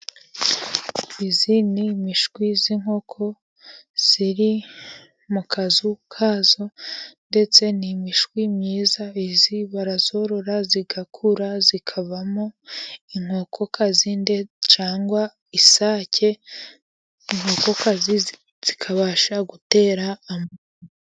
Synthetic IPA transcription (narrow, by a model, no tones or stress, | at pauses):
izinimiʃɡwiziŋho̞kʰo̞ | z̥iɾi | mukʰazukʰazo̞nde̞t͡se̞nimiʃɡwimɲiːzaiziβaɾazo̞ɾo̞ɾaziɡakʰuɾazikʰaβamoiŋ̥hoːkʰo̞kʰazindet͡ʃaːŋɡwa | isaːcʰe̞ | iŋho̞ːko̞kazi | z̥ikʰaβaːʃaɡute̞ːɾaːmo